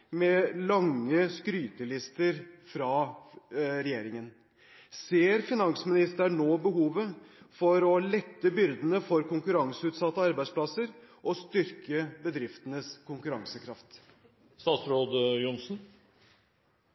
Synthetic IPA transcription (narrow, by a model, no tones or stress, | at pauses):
mɛlɑŋːəskɾyːt̪əlɪst̪əɾfɾɑ | ɾɛjeːɾɪŋən | seːɾfɪnɑŋsmɪnɪst̪əɳoːbəɦuːʋəfɔɾɔlɛt̪ːəbʏɾd̪ənəfɔɾkʊŋkʉɾɑŋsəʉːt̪sɑt̪ːəɑɾbæɪspʰlɑsəɾʔɔst̪ʏɾkəbəd̪ɾɪft̪ənəskʰʊŋkʉɾɑŋsəkʰɾɑft̪ | st̪ɑːt̪sɾoːd̪əjʊnsn̩